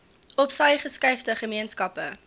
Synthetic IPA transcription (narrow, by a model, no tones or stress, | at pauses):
ɔpsɐjχəskɐɥftəχəmiənskɐpə